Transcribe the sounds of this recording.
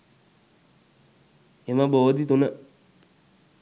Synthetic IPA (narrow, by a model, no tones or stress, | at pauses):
emabood̪it̪onə